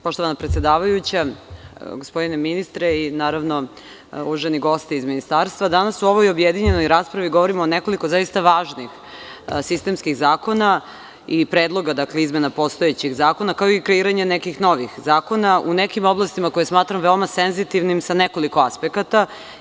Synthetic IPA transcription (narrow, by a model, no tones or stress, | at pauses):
poʃt̪o̞ʋanapɾet̪sje̞d̪aːʋajut͡ɕa | ɡospo̞d̪ineminist̪ɾeinaːɾaʋno̞ | uʒeniɡo̞st̪iizminist̪aːɾst̪ʋad̪anasuo̞ʋojobjed̪iɲe̞nojɾaːspɾaʋiɡo̞ʋoɾimoːneko̞likozaist̪aʋaːʒnix | sist̪e̞mskiɣzaːko̞na | ipɾeːd̪lˠo̞ɡad̪akleizmenapo̞st̪oet͡ɕiɣzaːko̞nakaoikɾeiːɾaɲenekixno̞ʋixzaːko̞naʔunekimo̞blˠast̪imako̞jesmaːt̪ɾamʋeomasenzit̪iʋnimsaneko̞liko̞aspekat̪a